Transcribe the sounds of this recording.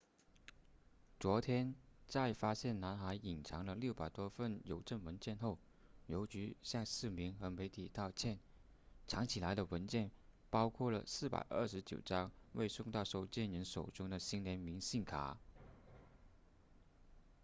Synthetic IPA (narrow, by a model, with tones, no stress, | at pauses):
t͡swɔ˧˥t̪ʰjɛ˥nt͡sa˥˩ɪfa˥ɕjɛ˥˩nna˧˥nxa˧˥ɪi˨˩nʈ͡ʂʰɑ˧˥ŋlə˧ljo˥˩ʊpa˨˩ɪt̪wɔ˥fə˥˩njo˧˥ʊʈ͡ʂə˥˩nwə˧˥nt͡ɕjɛ˥˧nxo˥˩ʊ | jo˧˥ʊt͡ɕy˧˥ɕjɑ˥˧ŋʂɹ̩˥˩mi˧˥ŋxɤ˧˥me˧˥ɪt̪ʰi˨˩t̪ɑ˥˧ʊt͡ɕʰjɛ˥˩n | ʈ͡ʂʰɑ˧˥ŋt͡ɕʰi˨˩la˧˥ɪɾə˧wə˧˥nt͡ɕjɛ˥˩n | pɑ˥ʊkʰwɔ˥˩lə̰˩sɹ̩˥˩pa̰˨˩ɪʔə̰˞˥˩ʂɻ̩˧˥t͡ɕjo˨˩ʊʈ͡ʂɑ˥ŋwʔe˥˧ɪsʊ˥˧ŋt̪ɑ˥˧ʊʂo˥˩ʊt͡ɕjɛ˥˩nɻə˧˥nʂo˨˩ʊʈ͡ʂʊ˥ŋd̪ə˨ɕi˥nljɛ˧˥nmi˧˥ŋɕi˥˩nkʰa̰˨˩